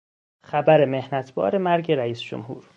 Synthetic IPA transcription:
xæbæɾe̞me̞hnæt̪ʰbɒ̰ːɾemæɾɟe̞ɾæiːsd͡ʒo̰mhṵːɾ

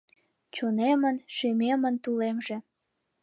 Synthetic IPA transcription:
t͡ɕonemənʃimemənt̪ulemʒĕ

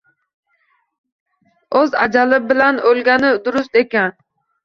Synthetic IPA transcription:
øzɑ̰d͡ʒɑlˠɪbɪlænølɡʲænɪd̪uɾʊs̬t̪ekʲɛn

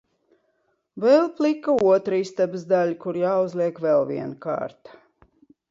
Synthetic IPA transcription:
vɛlˠplˠikauɔt̪ɾiːst̪ɛbzd̪alʲkuɾjaːuzlˠiɛkvɛlˠvḭɛnka̰ːɾt̪

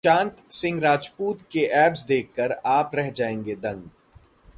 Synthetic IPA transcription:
t͡ʃãːnt̪sɪ̃ŋɡɾaːd͡ʒpuːt̪keʔɛːpsd̪eːkʰːəɾaːpɾɛɦd͡ʒaːẽːŋɡed̪ɐ̃ŋɡ

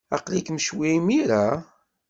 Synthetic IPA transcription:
ɑ̰qlikməʃwimiɾa

